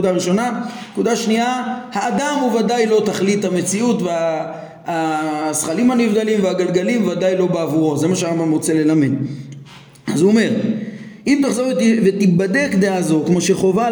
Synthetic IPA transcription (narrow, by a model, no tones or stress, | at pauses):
udaʁiʃo̞nanekud̪aʃniahaːd̪amuvad̪ajlo̞t̪aχlit̪hame̞t͡siut̪veaː | sχalimanivd̪alimveaɡalɡalimvad̪ajlo̞beavuʁo̞zemaʃ̬eaʁambamʁo̞t͡se̞le̞lamin | azuome̞ʁʔimt̪aχzo̞vet̪ibad̪e̞kd̪eazo̞kmo̞ʃe̞χo̞va